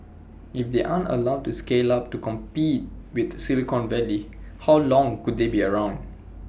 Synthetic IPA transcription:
ʔifd̪eʔãntə̰lawd̚tːuskelap̚tukɔ̃mpit̚wiθsilikɔ̃nvɛlihawlɔ̃ŋkud̚debiəɹãʊ̃nd

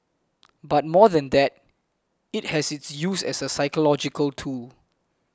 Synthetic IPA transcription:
bat̚mɔðɛ̃nd̪ɛt̚ | it̚hɛsɪtsjusɛ̰səsaɪkəlɔd͡ʒikəltʰul

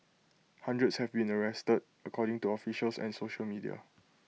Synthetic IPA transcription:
hãndɹətshɛvbĩnəɹɛstəd | əkʰɔɾɪ̃ŋtuɔfiʃəlsɛ̰̃nsoʃəlmidḭa̰

